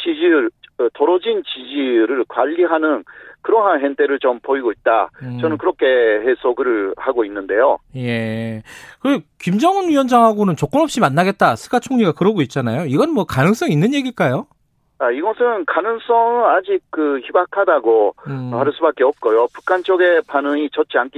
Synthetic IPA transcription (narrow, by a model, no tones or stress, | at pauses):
t͡ɕid͡ʑiɭɯtʌɾʌd͡ʑint͡ɕid͡ʑiɾɯɭkwaʎːiɦanɯnkɯɾʌnɦanɦentʰe̞ɾɯɭt͡ɕʌmpoiɡoit̚t͈a̰t͡ɕʌnɯnkɯɾʌkʰe̞ɦesʰoɡɯɾɯɭhaɡoinːɯnde̞joje̞ | kɯekimd͡ʑʌŋɯnɥiwʌnd͡ʑaŋɦaɡonɯnt͡ɕok͈ɯnɦʌp̚ɕ͈imanːaɡe̞t̚t͈asʰɯ̥ɡat͡ɕʰoŋɲiɡakɯɾʌɡoit̚t͡ɕ͈anajoiɡʌnɯnmwʌkanɯŋs͈ʌŋinːɯnje̞ɡiɭk͈ajo | aiɡʌsʰɯnkanɯŋs͈ʌŋɯnad͡ʑik̚k͈ɯçibakʰadaɡohaɭs͈ubak͈eʌp̚k͈ojopu̥kʰant͡ɕ͈oɡe̞panɯŋit͡ɕʌt̚t͡ɕ͈iankʰi